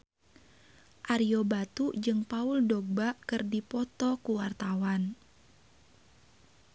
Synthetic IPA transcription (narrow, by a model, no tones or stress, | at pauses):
ʔaɾiobat̪ud͡ʒɨŋpaʊldɔɡ̚bakɨrdipɔt̪ɔkuwart̪awan